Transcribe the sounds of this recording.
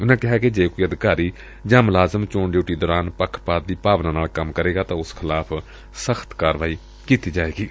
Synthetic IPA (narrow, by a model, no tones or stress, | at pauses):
ʊnãːkɪɦaːked͡ʒeːkoːiːəd̪ɪkaːɾiː | d͡ʒaːmlaːzəmt͡ʃoːɳɖjoːʈiːd̪ɔːɾaːnpəkʰpaːt̪̚d̪iːpaːʋnãːnaːlkəmkəɾeːɡaːt̪ãːʊskʰɪlaːpʰ | səxʰt̪kaːɾʋaːiː | kiːt̪iːd͡ʒaːeːɡiː